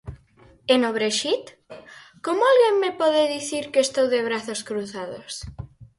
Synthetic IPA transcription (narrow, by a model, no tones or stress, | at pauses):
enoβɾeʃit̪ | komoalɣeŋmepɔðeðiθiɾkeest̪owðeβɾaθoskɾuθaðo̰s